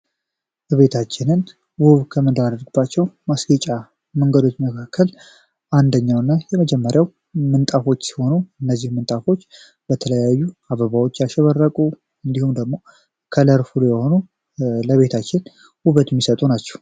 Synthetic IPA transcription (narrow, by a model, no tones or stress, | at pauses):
ləβe̞t̪ʰat͡ʃːɪnɨn | buβkʰəmɨnd̪ɾad̪əɾɡbat͡ʃːɛwmasɡət͡ʃʼa | məŋɡəd̪o̞t͡ʃːməkʰakːəl | ʔand̪əɲːawɨnːajɛməd͡ʒɛmːəɾjaw | mɨnt̪ʼafo̞t͡ʃːsi̥ho̞nuɨnːəzːihmɨnt̪ʼafo̞t͡ʃː | b̥ət̪ʰələjajːuaβəβawo̞t͡ʃːjaʃɛβərːəkʼu | ɨnd̪ihumd̪əɡmo̞ | kʰələɾfulujɛho̞nu | ləβe̞t̪ʰat͡ʃːɪn | wuβət̪mːisət̪ʼunat͡ʃːɛ̥h